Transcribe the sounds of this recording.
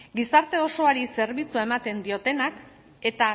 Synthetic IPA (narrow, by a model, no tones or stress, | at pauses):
ɡisaɾt̪e̞o̞so̞aɾise̞ɾβ̞it͡suae̞mat̪e̞nd̪io̞t̪e̞nak | e̞t̪a